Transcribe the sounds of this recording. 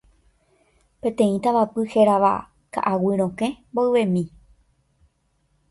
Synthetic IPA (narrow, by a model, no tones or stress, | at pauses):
pẽ̞t̪ẽ̞ĩt̪aʋapɨheɾaʋa̰ | ka̰ʔawɨɾ̃õkẽmboɨʋẽmĩ